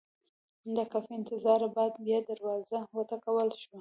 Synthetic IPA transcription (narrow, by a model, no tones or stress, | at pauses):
d̪əkafiɪnt̪ɪzɑɾabɑd̪bjɑd̪aɾwɑzawat̪akawəlʃwa